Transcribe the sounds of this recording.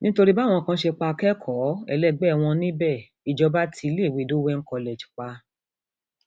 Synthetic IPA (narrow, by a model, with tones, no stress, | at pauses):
nĩ˦to˧ɾi˦ba˦˨w̃ɔ̃˧˨kã˦ʃe˧k͡pa˧kɛ˦kʰɔ˨˦ɛ̰˧lɛ˦˨ɡ͡bɛ˦˨w̃ɔ̃˧nĩ˦bɛ˦˨ | i˨d͡ʒɔ˧˦ba˦tʰi˧˦le˦˨wi˨do˨˦wɛ˦ŋ̩˦kɔ˧˨lɛ˨d͡ʒi̥˨k͡pa˧